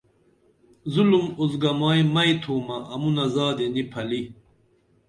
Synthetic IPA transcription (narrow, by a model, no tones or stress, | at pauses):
zulumuzɡɐmaːjmɐjt̪ʰuːmɐːmunɐzaːd̪enipʰɐli